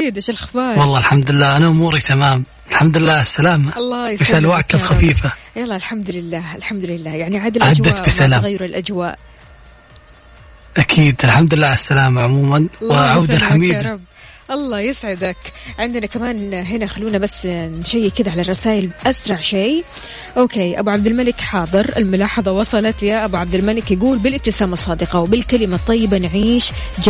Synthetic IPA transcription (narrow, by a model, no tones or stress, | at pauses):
iːd̪aʃalxbɑːwɑlˤːɑːɪlħamd̪ʊɪlːaːʔanaʔʊmuːɾit̪ʰamaːm | ɪlħamd̪ʊlɪlːaːɪsːalaːmaɑlˤːɑfɪsalwaːʔk̪ɪlxafiːfalˤːɑːlħamd̪ʊlɪlːaːʔɪlħamd̪ʊlɪlːaːjaʕniʕaːd̪alʕadwːat̪bɪsalaːɣajɾɪlʔad͡ʒwa̰ːʔ | ʔakʰiːd̪ɪlħamd̪ʊlɪlːaːɪsːalaːmaʕʊmuːmanwɪʕawd̪alħamiːd̪ab | ʔɑlˤːɑːjɪsʕɪd̪akʕɪnd̪ɪnakamaːnɦɪnaxalːuːnabasːnʃajːkɪd̪aʕalarˤːɑsaːʔɪlʔasɾˤɑʕʃej | ʔoːkeːʔa̰buʕab̚d̪ɪlmalɪkħɑːd̪ˤɨɾʔɪ̰lmʊlɑːħɑðˤɑwɑsˤɑlɑt̪jaʔabuʕab̚d̪ɪlmalɪkjaɡuːlbɪlʔɪbt̪ɪsaːmɑsˤːɑːd̪ɪqɑwbɪlkalɪmat̪ˤːɑjːɪbanʕiːʃ | d͡ʒ